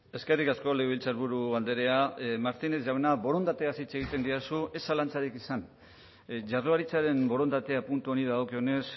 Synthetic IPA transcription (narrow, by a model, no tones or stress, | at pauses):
e̞ske̞rikasko̞leβilt͡saɾβuɾuald̪eɾe̞amaɾt̪ine̞zʝawenaβo̞ɾo̞nd̪at̪e̞asit͡seɣit̪e̞nd̪iasuʔe̞salant͡saɾikisan | ʝaroaɾit͡saɾe̞mbo̞ɾo̞nd̪at̪e̞apunt̪uo̞niðaɣokeo̞ne̞s